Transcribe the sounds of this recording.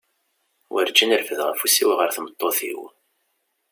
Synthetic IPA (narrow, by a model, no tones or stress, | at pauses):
wʔəɾd͡ʒːənəɾfəðʁə̰fusiwʁəɾθmət̪ˤːoθḭw